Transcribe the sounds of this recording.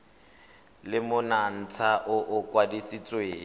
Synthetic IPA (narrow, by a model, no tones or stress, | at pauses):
lɪmʊnan̩t͡sʰaʔʊʔʊkʼwadisit͡sʼweː